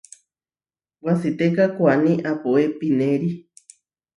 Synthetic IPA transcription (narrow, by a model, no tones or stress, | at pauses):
wasit̪ekakʷanĩʔapoepinẽɾi